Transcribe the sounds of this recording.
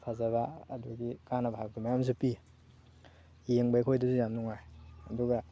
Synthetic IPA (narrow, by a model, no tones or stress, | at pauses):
pʰazabaːduɡikanabʱab̚ɡimajams̬upi | jeŋbajkʰojdusujamnuŋajɐduɡa